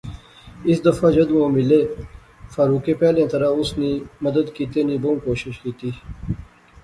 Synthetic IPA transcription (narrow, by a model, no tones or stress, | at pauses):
ɪsd̪ɐfaːd͡ʒɐd̪ʋõːmɪleː | faːɾuːkeːpɛːlẽt̪ɐɾaʊsniːmɐd̪əd̪kiːt̪eːniːbõːkoːʃɪʃkiːt̪iː